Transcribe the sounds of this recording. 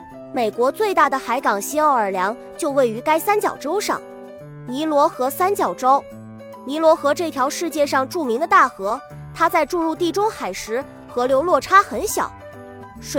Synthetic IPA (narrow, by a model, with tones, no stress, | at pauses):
me˨˩ɪkwɔ˧˥t͡swe˥˧ɪt̪a˥˩d̪ə˩xa˧˥ɪkɑ˨˩ŋɕi˥ɑ˥˩ʊə˞˧˥ljɑ˧˥ŋ | t͡ɕjo˥˧ʊwe˥˩ɪy˧˥ka˥ɪsa˥nt͡ɕjɑ̰˨˩ʊʈ͡ʂo˥ʊʂɑ̰˥˩ŋ | ni˧˥lwɔ˧˥xɤ˧˥sa˥nt͡ɕjɑ˨˩ʊʈ͡ʂo˥ʊ | ni˧˥lwɔ˧˥xɤ˧˥ʈ͡ʂɤ˥˩t̪ʰjɑ˧˥ʊʂɻ̩˥˧t͡ɕjɛ˥˧ʂɑ˥˧ŋʈ͡ʂu˥˩mi˧˥ŋd̪ə˧t̪a˥˩xɤ˧˥ | t̪ʰa˥t͡sa˥˧ɪʈ͡ʂu˥˧ɻu˥˧t̪i˥˩ʈ͡ʂʊ˥ŋxa˨˩ɪʂɻ̩˧˥ | xɤ˧˥ljo˧˥ʊlwɔ˥˩ʈ͡ʂʰa˥xə˧˥nɕjɑ̰˨˩˦ʊ | ʂ